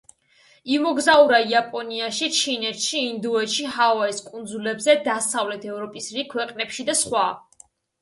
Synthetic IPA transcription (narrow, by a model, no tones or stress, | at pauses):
imɔɡzauɾaiapʼɔniaʃit͡ʃʰinɛt̪ʃiːnd̪uɛt̪ʃiɦavaiskʼund̪zulɛbzɛd̪asavlɛt̪ʰɛvɾɔpʼisɾikʰwɛqʼnɛpʃid̪asχwa